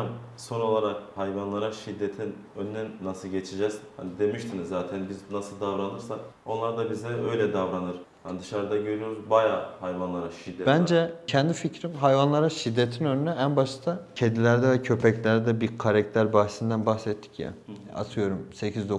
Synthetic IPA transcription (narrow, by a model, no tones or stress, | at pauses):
am | so̞no̞lˠaɾak̚hajvanlˠaɾaʃid̪ːet̪ʰinønynɛːasɯlˠɟet͡ʃʰed͡ʒɛzha̰nid̪e̞miʃt̪ʰinizːaːt̪ʰænbiznasɯlˠd̪avɾanɯɾsako̞nlˠaɾd̪abizɛø̞jlʲɛd̪avɾanɯɾ | and̪ɯʃaɾd̪aɟø̞ɾyjo̞ɾuzbajaːhajvanlˠaɾaʃid̪ːɛbænd͡ʒɛcʰɛnd̪ificɾimɦajvanlˠaɾaʃid̪ːet̪ʰinønynɛænbaʃt̪ʰacʰed̪ilʲæɾd̪ɛvɛcʰø̞pʰɛclʲæɾd̪ɛbiɾkʰaɾɛct̪ʰʲæɾbah̪sind̪ænbaxsɛt̪ʰːi̥cja̰a̰t̪ʰɯjo̞ɾumse̞cʰizd̪o